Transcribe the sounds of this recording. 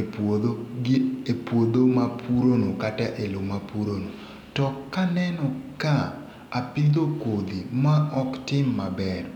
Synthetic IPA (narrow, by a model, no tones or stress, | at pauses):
epwod̪omapuɾonokataʔelomapuɾono | tɔkanɛnɔka | apid̪okod̪imaɔktɪmːabɛr